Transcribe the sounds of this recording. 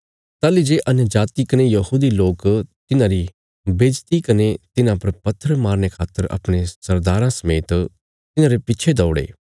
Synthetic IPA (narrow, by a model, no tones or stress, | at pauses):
t̪aːlid͡ʒeːʔɐnjəd͡ʒaːt̪ikɐnejɐhuːd̪iloːkt̪ɪnãɾi | beːd͡ʒt̪ikɐnet̪ɪnãpɐɾpɐt̪ʰːəɾmaːɾnekʰaːt̪ːəɾɐ̰pɽ̃esɐɾd̪aːɾãsɐmeːt̪ | t̪ɪnãɾepɪːt͡ʃʰed̪ɔːʊɽḛː